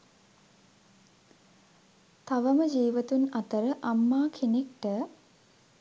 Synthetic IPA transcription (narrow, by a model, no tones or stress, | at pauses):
t̪aʋəməd͡ʒiːʋət̪unat̪əɾəʔamːaːkʰenekʈə